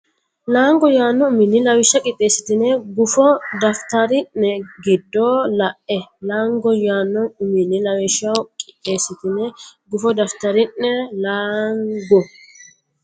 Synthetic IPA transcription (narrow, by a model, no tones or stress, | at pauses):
laːŋɡɔjaːnːɔʊmɪnːɪlɐwɪʃːɐkʼɪt̪ʼːeːsɪ̥t̪ɪnɛɡʊfɔd̪ɐft̪ɐɾɪnːɛɡɪd̪ːoːlɐʔɛlaːŋɡɔjaːnːɔnʊmɪnːɪlɐwɛʃːɐwkʼɪʔeːsɪt̪ɪnɛɡʊfɔd̪ɐft̪ɐɾɪnːɛlaːŋɡɔ